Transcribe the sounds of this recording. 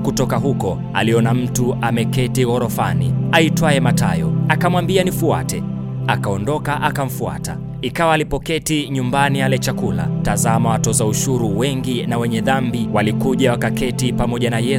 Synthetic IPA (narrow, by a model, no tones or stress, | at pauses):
kutɔkaɦukɔ | a̰liɔnam̩tuʔamɛkɛtiɣɔɾɔfanḭaitwaɛmata̰jɔakamwambianifua̰tɛ | akaɔndɔkaʔakam̩fua̰ta̰ | ikawaːlipɔkɛtiɲumbanialɛt͡ʃakula̰tazamawatɔzauʃuɾuwɛŋɡinawɛɲɛðambiwalikuʄawakakɛtipamɔʄanajɛ